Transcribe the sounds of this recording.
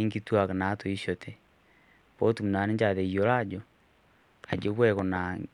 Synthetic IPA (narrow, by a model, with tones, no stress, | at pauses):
e˦ŋɡitwa˨ka˨na˨˦to˨i˦ʃo˨tʰɛ˨ | po˦tu˨mu˨na˨ne˦ɲd͡ʒa˨ðe˨jo˦la˦d͡ʒo˨ | a̰˨d͡ʒo˦βwɛ˦ko˨na˨